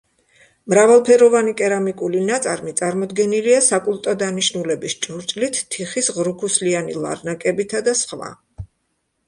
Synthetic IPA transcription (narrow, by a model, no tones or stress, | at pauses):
mɾavalˠpʰɛɾɔvanikʼɛɾamikʼulinat̪sʼa̰ɾmit̪sʼaɾmɔd̪ɡɛniliasakʼulˠt̪ʼɔd̪aniʃnulɛbist͡ʃʼuɾt͡ʃʼlit̪ʰːiχisʁɾukʰuslianḭlˠa̰ɾnakʼɛbit̪ʰad̪asχva̰